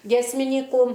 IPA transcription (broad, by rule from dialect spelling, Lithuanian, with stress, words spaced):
ɡʲiɛsʲmʲɪˈnʲiːkuː